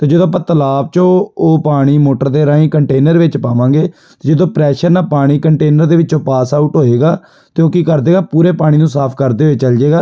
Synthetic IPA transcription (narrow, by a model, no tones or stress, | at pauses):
t̪eːd͡ʒəd̪õːpət̪əlaːb̚t͡ʃõːoːpaːɽ̃iːmoːʈəɾd̪eːɾãːĩːkəɳʈeːnəɾʋɪt͡ʃpaːʋãːɡeː | t̪eːd͡ʒəd̪õːpɾɛːʃəɾnaːpaːɽ̃iːkəɳʈeːnəɾd̪eːʋɪt͡ʃõːpaːsaːuːʈɦoːeːɡaː | t̪eoːkiːkəɾd̪eːɡaːpuːɾeːpaːɽ̃iːnũːsaːpʰkəɾd̪eːɦoeːt͡ʃəld͡ʒeːɡaː